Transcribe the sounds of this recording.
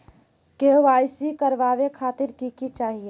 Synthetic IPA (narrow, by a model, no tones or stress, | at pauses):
keʋaːjsikəɾʋaːʋekʰaːt̪ɪɾkikit͡ʃaːɦie